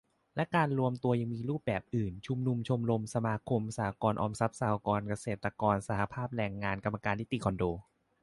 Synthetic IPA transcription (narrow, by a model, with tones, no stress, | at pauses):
lɛ˦˥kaː˧nɾu˧əmt̪u˧ɐja˧ŋmiː˧ɾuː˥˩p̚bɛː˨˩p̚ʔɯː˨˩nt͡ɕʰu˧mnu˧mt͡ɕʰo˧mɾo˧msa˧maː˧kʰo˧msaː˨˩a˦kɔː˧nʔɔː˧msa˦˥p̚saː˨˦kɔː˧nka˧seː˨˩t̪ːɾa˧kɔː˧nsa˧˩ha˧pʰaː˥˩p̚ɾɛː˧ŋːaː˧nka˧mːa˧kaː˧nti˦˥t̪i˨˩kʰɔ˧ndoː˧